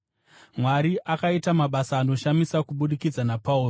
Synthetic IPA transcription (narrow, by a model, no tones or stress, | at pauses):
mwaɾiʔakaitamaɓasaːno̞ʃamisakuɓuɗikid͡zanapauːro